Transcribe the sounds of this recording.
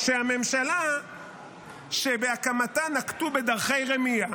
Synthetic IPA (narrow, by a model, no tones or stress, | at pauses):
ʃehame̞mʃala | ʃebeakamat̪anaktube̞d̪aʁχe̞jʁemija